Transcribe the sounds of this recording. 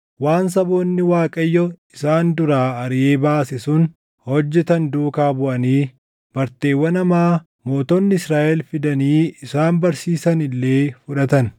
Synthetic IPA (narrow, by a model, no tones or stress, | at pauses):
waːns̬ɐbo̞ːnːɪwaːkʼɐjːɔɪsaːnd̪ʊɾaːɐɾɪʔe̞ːbaːsɪsʊn | hɔd͡ʒːɛt̪ɐnd̪uːkaːbʊʔɐniː | b̥ɐɾt̪e̞ːwːɐnɐmaː | mo̞ːt̪ɔnːɪɪsɾaːʔɛlfɪd̪ɐniːɪsaːnbɐɾsiːsɐnɪlːe̞ːfʊᶑɐt̪ɐn